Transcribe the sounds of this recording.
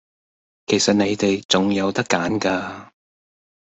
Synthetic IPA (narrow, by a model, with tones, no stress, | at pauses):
kʰe˨˩jsɐ˨t̚ne˨˧jt̪e˨jt͡sʊ˨ŋjɐ˨˧wt̪ɐ˥kːaː˨˥nkaː˧